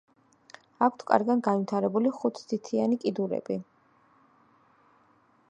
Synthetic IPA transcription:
akʷʰt̪ʰkʼa̰ɾɡanɡanvit̪ʰaɾɛbuliχut̪ʰsit̪ʰianikʼid̪uɾɛ̰bi

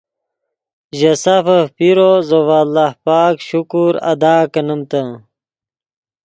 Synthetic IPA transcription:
ʑɐsɐfɐpiɾozowaːlːahpaːkɕukuɾɐ̰d̪aːkɐnəmt̪ɐ

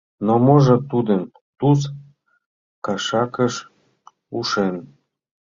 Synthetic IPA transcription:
nomoʒɤ̆t̪ud̪əm | t̪us̬ | kɑʃɑkə̆ʃ | uʃen

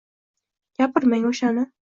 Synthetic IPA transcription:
japʰɪɾmaŋoʃanɪ

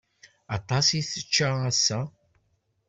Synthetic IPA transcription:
ɑt̪ˤːɑsiθət͡ʃːææsːæ

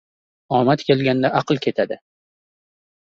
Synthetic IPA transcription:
ɒmat̪kʲe̞lɡʲand̪aʔaqɨlˠkʲʰe̞t̪ʰad̪ɪ

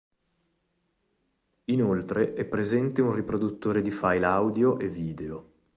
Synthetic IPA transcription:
inolt̪ɾeʔɛpːɾezɛnt̪eunripɾod̪ut̪ːoːɾed̪ifajlawd̪joʔevːiːd̪eo

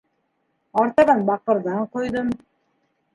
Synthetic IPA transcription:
ɑɾt̪ɑʁɑnbɑq̚ɯ̆ɾd̪ɑɴqʰojd̪ʊm

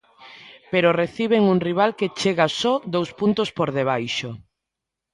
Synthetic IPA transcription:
peɾoreθiβ̞eŋuŋriβ̞alket͡ʃeɣasɔd̪owspunt̪ospoɾðeβ̞ajʃo

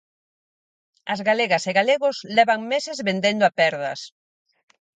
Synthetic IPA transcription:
ɐzɣaleɣɐseɣaleɣʊslɛβaŋmesezβend̪end̪oapɛɾðɐ̰s

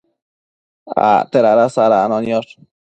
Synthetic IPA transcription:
a̰t̪eɾaɾasaɾanonjoɾ

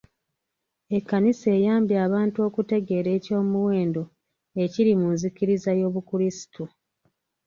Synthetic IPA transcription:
e̞kːanise̞ːjaːmbjaːβaːntuo̞ːkute̞ɡe̞ːɾe̞ːco̞ːmuwe̞ːndo̞ | e̞ciɾimunzikiɾizajo̞ːβukuɾisi̥tu

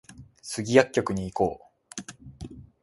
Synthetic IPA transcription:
sɨɡʲijakʲːo̞kɯ̟ɲ̟iːko̞ː

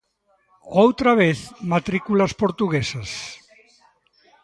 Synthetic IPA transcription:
owt̪ɾaβeθmat̪ɾikulɐspoɾt̪uɣesɐs

